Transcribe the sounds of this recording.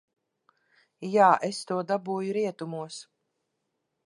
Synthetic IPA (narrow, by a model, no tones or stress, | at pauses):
jaːʔest̪uɔd̪abuːjuɾiɛt̪umuɔs